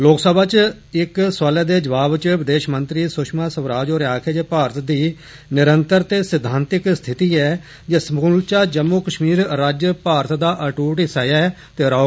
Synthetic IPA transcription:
loːksəbʱaːt͡ʃ | ɪkswaːleːd̪eːd͡ʒəʋaːbt͡ʃʋɪd̪eːʃmənt̪ɾiːsʊʃmãːsəʋɾaːd͡ʒoːɾaːkʰeːd͡ʒeːpaːɾət̪d̪iː | nɪɾənt̪əɾt̪eːsɪd̪ʱːaːnt̪ɪkst̪ʰɪt̪iːɛː | d͡ʒəsmuːlt͡ʃaːd͡ʒəmːuːkəʃmiːɾɾaːd͡ʒpaːɾət̪d̪aːʔəʈuːʈɪsaːjaːt̪eːɾaː

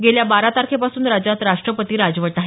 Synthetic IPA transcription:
ɡeljabaɾat̪aɾkʰepasuːnɾad͡ʑat̪ɾaʂʈɾəpət̪iːɾad͡zʋəʈaɦe

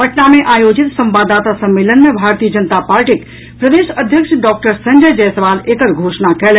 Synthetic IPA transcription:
pəʈnameʔaːjoːd͡ʒit̪sə̃mbaːd̪at̪asə̃mːelənmebʱaːɾt̪ijəd͡ʒənt̪apaːɾʈik | pɾəd̪eːʃəd̪ʱjəkʃɖɔːk̚ʈəɾsəɲd͡ʒəjd͡ʒɛjsəʋaːleːkəɾɡʱoːʃnakɛl

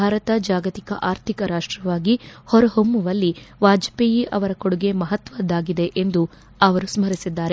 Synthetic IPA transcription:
bʱaːɾɐt̪ɐd͡ʒaːɡɐt̪ikɐʔaːɾt̪ʰikɐɾaːʂʈɾɐʋaːɡihɔɾɐɦomːuʋɐlːiʋaːd͡ʒɐpejiʔɐʋɐɾɐkoɽuɡe̞mɐɦɐt̪ʋɐd̪ːaːɡid̪e̞ʔend̪u | ɐʋɐɾusmɐɾisid̪ːaːɾe

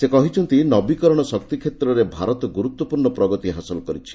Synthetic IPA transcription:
sekɔɦit͡ʃʰɔnt̪inɔbikɔɾɔɽ̃ɔsɔk̚t̪ikʰet̪ɾɔɾebʱaɾɔt̪ɔɡuɾut̪wɔpuɾɳɔpɾɔɡɔt̪iɦasɔlɔkɔɾit͡ʃʰi̥

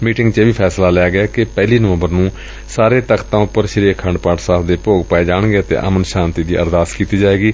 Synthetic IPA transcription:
miːʈɪŋɡt͡ʃeːʋiːpʰɛːslaːlɛaːɡɪaːkɪpɛːliːnəʋə̃mbəɾnũː | saːɾeːt̪əkʰt̪ãːʊpəɾʃɪɾiːkʰːəɳɖpaːʈsaːpʰd̪eːpoːɡpaːeːd͡ʒaːɳ̃ɡeːət̪ḛːʔə̰mənʃaːnt̪iːd̪ḭːə̰ɾd̪aːskiːt̪iːd͡ʒaːeːɡiː

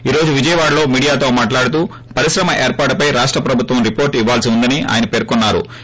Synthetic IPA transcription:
iːɾo̞ːd͡ʒuʋid͡ʒɐjɐʋaːɽɐlo̞ːmiːɽijaːt̪o̞ːmaːʈlaːɽut̪uː | pɐɾiʃɾɐmɐʔeːɾpaːɾʈpɐjɾaːʂʈɾɐpɾɐbʱut̪ʋɐmɾipo̞ːɾʈiʋːaːlsiund̪ɐniʔa̰ːjɐnɐpe̞ːɾkɔnːaːɾṵ

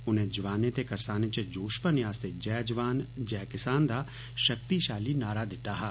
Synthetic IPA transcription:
ʊnɦẽd͡ʒʋaːnet̪ekɐɾsaːnẽt͡ʃed͡ʒoːʃpənɪjaːst̪ed͡ʒɛːd͡ʒʋaːnd͡ʒɛːkɪsaːnd̪a | ʃɐk̚t̪iʃaːlinaːɾad̪ɪt̪aɦɛː

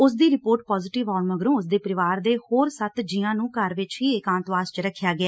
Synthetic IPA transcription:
ʊsd̪iːɾɪpoːɾʈ̚pɔːzɪʈɪʋaːlməɡɾõːʊs̬d̪eːpəɾɪʋaːɾd̪eːhoːɾsət̪d͡ʒɪjãːnũːkəɾʋɪt͡ʃɦiːɪkãːnt̪ʋaːst͡ʃɾəkʰːjaːɡɪaɛː

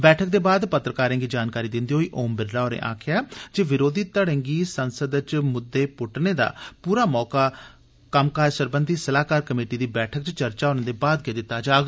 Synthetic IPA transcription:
bɛːʈʰək̚d̪eːbaːd̪pət̪ːɾəkaːɾɛ̃ːŋɡiːd͡ʒaːnkaːɾiːd̪ɪnd̪iːɦoːiːʔoːmbɪɖɾaːɦoːɾḛ̃ːʔa̰ːkʰɪjaːd͡ʒeːʋɪɾoːd̪iːt̪əɽə̃ŋɡiːsənsəd̪t͡ʃmʊd̪ːeːpʊʈneːd̪a̰ːpuːɾaːmɔːkaː | kəmkaːɾsəɾbənd̪iːsəlaːkaːɾkəmeːʈiːd̪iːbɛːʈʰəkt͡ʃt͡ʃəɾt͡ʃaːɦoːnẽːd̪eːbaːd̪̚ɡeːd̪ɪt̪ːaːd͡ʒaːɡ

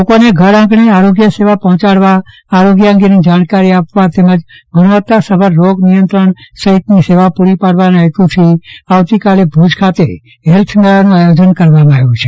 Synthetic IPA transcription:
lokoneɡʱəɾãɡɳeaɾoɡjəseʋapɔɦɔ̃t͡ʃaɽʋaː | ɾoɡjəə̃ŋɡenid͡ʒaɽkaɾiapʋat̪eməd͡ʒ | ɡʊɽʋət̪asəbʱəɾːoɡnijənt̪ɾəɳsəɦit̪niseʋapuɾipaɽʋanəjt̪ut̪ʰiaʋt̪ikalebʱud͡ʒkʰat̪ḛ | ɦɛlt̪ʰmeɭanũajod͡ʒənkəɾʋamãaʋjũt͡ʃʰe

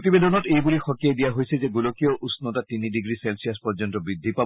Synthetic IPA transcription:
t̪ibed̪ʱɔnɔtejbulixɔkːiajd̪ijaɦojsʰizeɡulokioʔusnot̪at̪iniɖiɡɾiselsiaspɔɾd͡ʒɔnt̪obɾid̪ʱːipa

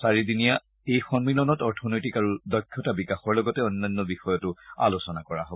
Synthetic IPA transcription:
saɹidinija | ejxɔnmilɔnɔtɔɹtʰɔnojtikaɹudɔjkʰːjɔtabikaxɔɹlɔɡɔtɛɔnːanːɔbixɔjɔtʊa̰losɔnakɔɹa̰ɦobɔ

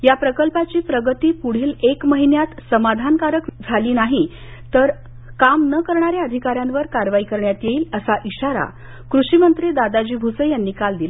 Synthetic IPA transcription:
japɾəkəlpat͡ɕiːpɾəɡət̪iːpuɽ̤iːlekməɦinjat̪səmad̪ʱankaɾəkd͡zʱaliːnaɦi | t̪əɾ | kamnəkəɾɳaɾjaəd̪ʱikaɾjanʋəɾkaɾʋaikəɾɳjat̪jeiːləsaʔiɕaɾa̰ | kɾuɕimənt̪ɾid̪ad̪ad͡ʑiːbʱusəjanːiːkald̪ila

